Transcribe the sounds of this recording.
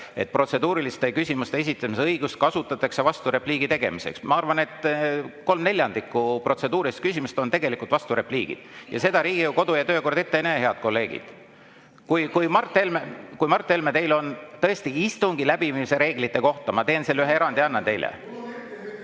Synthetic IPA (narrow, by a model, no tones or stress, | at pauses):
e̞̰t̪̚ːˑpro̞t̪se̞d̪uːɾilist̪e̞kysʲimust̪ees̬ʲit̪ːˑɑmisɤjɡ̥ust̪̚kɑsut̪ːˑɑt̪ːˑɑkse̞vɑst̪uɾe̞pliːɡ̥it̪e̞ɡe̞̰mise̞̰ksmɑɑrvɑne̞t̪ːko̞lmnelʲjɑnd̪ikːˑupro̞t̪se̞d̪uːɾiist̪kysimust̪o̞nt̪e̞ɡe̞likult̪vɑst̪uɾe̞pliːɡ̥ḭd̪̥jɑ̰se̞d̪ɑɾiːɡijuko̞d̪ujɑt̪ø̞ːko̞rd̪e̞t̪ːeeneɦe̞ɑd̪̥̚ko̞lːe̞ːɡ̥ḭd̪̥ | kujkujmɑrt̪ːˑelmekujmɑrt̪ˑːe̞lmet̪e̞jlo̞nt̪ɤ̞est̪iist̪uŋɡ̥ilæb̥imise̞ɾe̞ːɡ̥lit̪ːˑe̞ko̞ht̪ɑmɑt̪e̞ːnselːyɦee̞ɾɑnd̪̥iɑnːɑt̪e̞jlḛ